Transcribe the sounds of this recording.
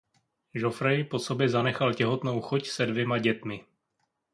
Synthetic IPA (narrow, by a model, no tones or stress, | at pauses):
ʒo̞fɾɛjpo̞so̞bjɛzanɛxalcɛɦo̞t̪no̞wxocsɛdvjɛmaɟɛt̪mɪ